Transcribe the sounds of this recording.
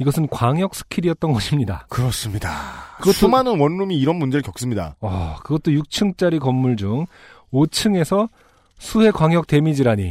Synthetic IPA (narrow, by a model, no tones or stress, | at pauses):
iɡʌsʰɯnkwaŋjʌk̚s͈ʰɯ̥kʰiɾijʌt̚t͈ʌnɡʌɕʰimɲidakɯɾʌs͈ɯmɲidakɯɡʌt͈umanɯnwʌnːumiːɾʌnmund͡ʑeɭkjʌk̚s͈ɯmɲida̰ʌ̰kɯɡʌt̚t͈ojuk̚t͡ɕʰɯŋt͡ɕ͈aɾikʌmːuɭd͡ʑuŋ | ot͡ɕʰɯŋe̞sʰʌ | sʰuhe̞kwaŋjʌk̚t͈e̞mid͡ʑiɾaɲḭ